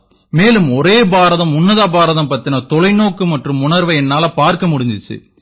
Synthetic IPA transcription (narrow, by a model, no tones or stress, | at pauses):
meːlɯmɔɾeːbaːɾɐðɐmʊnːɐðaːbaːɾɐðɐmpɐt̪ːɪnɐt̪ɔlɐɪnoːkːɯmɐʈrɯmʊnɐɾʋɐɛnːaːlɐpaːɾkɐmʊɽɪɲd̪ɪt͡ʃːɯ̰